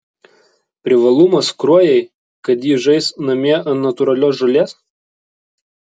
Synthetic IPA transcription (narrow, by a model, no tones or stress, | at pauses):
pʲɾʲɪʋɐlˠʊmɐskɾuɔjɛɪ | kɐt̪jiːʒɐɪsnɐmʲiɛɐnɐt̪ʊɾɐlʲoːs̬ʒɐlʲeːs